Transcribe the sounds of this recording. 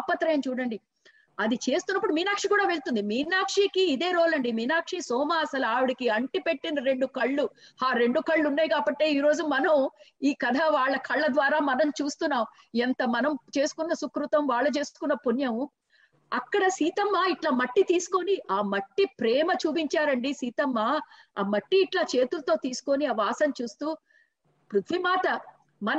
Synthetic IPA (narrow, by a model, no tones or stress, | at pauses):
apːɐt̪ːɾɐjɐnt͡ʃuːɽɐɳɖi | ɐd̪it͡ʃe̞ːst̪unːɐpːuɽumiːnaːkʂikuːɽaːʋe̞ɭt̪und̪imiːnaːkʂikiːd̪eːɾoːlɐɳɖimiːnaːkʂisɔːmaɐsɐlaːʋiɽikiɐɳʈipe̞ʈːinɐɾe̞ɳɖukɐɭːuaːɾe̞ɳɖukɐɭːunːaːjkaːbɐʈːe̞ːiːɾo̞ːd͡ʒumɐnɐmiːkɐd̪ʱɐʋaːɭːɐkʰɐɭːɐd̪ʋaːɾaːmɐnɐmt͡ʃuːst̪unːaːm | ent̪ɐmɐnɐmt͡ʃe̞ːsu̥kunːɐsukɾut̪ɐmʋaːɭːɐt͡ʃe̞ːsu̥kunːɐpunjɐm | ɐkːɐɽɐsiːt̪ɐmːaːiʈlaːmɐʈːit̪iːsu̥ko̞niʔaːmɐʈːipɾɛːmɐt͡ʃuːp̬iɲt͡ʃaːɾɐɳɖisiːt̪ɐmːaːaːmɐʈːiːʈlaːt͡ʃe̞ːt̪ulɐt̪o̞ːt̪iːsu̥ko̞niaːʋaːsɐnt͡ʃuːst̪uː | pɾut̪ʰʋimaːt̪ɐ | mɐn